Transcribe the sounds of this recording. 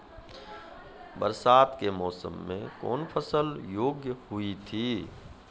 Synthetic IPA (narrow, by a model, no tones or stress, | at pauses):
bə̰ɾsaːt̪kemɔːsə̰mːḛ̃kɔ̰ːnpʰəsəljoːɡjəhʊit̪ʰiː